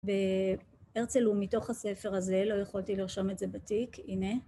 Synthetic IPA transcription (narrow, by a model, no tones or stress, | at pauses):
be | eʁt͡selumito̞χhasefeʁaze̞lo̞jeχoltiliʁʃometze̞batikʰine